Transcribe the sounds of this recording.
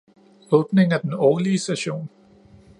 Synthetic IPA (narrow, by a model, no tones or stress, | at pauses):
ɔ̽ːb̥ne̝ŋæd̥enɒːliəsd̥æɕo̝̰ːn